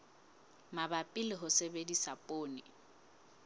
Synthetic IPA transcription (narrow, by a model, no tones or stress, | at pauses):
mabapʼɪlɪɦʊsebedisapʼoːnɪ